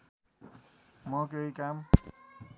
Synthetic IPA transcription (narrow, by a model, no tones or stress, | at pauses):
mʌkejkam